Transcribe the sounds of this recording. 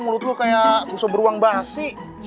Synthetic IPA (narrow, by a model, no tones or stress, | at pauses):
muɾʊt̪lʊkajabusobəɾuaŋbaɦasi